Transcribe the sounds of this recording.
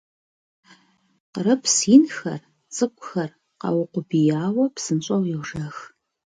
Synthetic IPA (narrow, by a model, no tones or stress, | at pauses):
qəɾɐpʰsiːnxɐ̰r | t͡sʼɨkʷʼʊxɐr | qɐ̰wʊqʷʊbijaːwɐpsɨnɕʼɐwjɛwʒɐx